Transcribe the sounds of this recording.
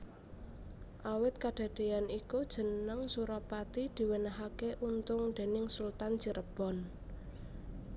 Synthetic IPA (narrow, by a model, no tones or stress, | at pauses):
ʔawɪt̪̚kaɖ̥a̤d̪̥e̤janikud̥ʒ̥ə̤nəŋsuɾɔpat̪id̪̥i̤wenaɦakeʔunt̪ʊŋɖ̪̥e̤nɪŋsult̪an̥t͡ʃəɾəb̥ɔ̤n